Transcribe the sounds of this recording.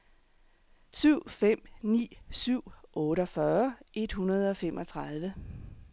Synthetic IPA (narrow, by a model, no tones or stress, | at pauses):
syʊ̰fem̰nḭːsyʊ̰ɔ̽ːɾəɒ̽fɶɐʔe̝d̥hunɐð̞̩ˠɒ̽fem̰ʔɒ̽t͡sʰʁɑð̞ˠʋə